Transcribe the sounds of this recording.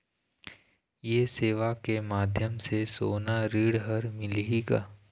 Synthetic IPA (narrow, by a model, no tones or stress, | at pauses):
jeːseːʋakemaːd̪ʱjəmsesoːnaɾiːɽɦəɾmɪleiɡa̰ː